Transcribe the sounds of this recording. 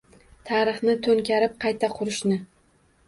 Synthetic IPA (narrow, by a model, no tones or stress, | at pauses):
t̪ʰaɾɨχnɪt̪ʰɵŋkʲaɾɪp̚qʰɑjt̪ʰaqʰʊɾɪʃnɪ